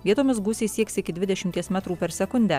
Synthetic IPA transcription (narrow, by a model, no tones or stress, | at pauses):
ʋʲiɛt̪oːmʲɪsɡuːsʲeːsʲiɛksʲɪkʲɪd̪ʲʋʲɪd̪ʲɛʃʲɪmʲt̪ʲiɛsmʲæt̪ɾuːpʲɛɾsʲɛkʊnʲd̪ʲæː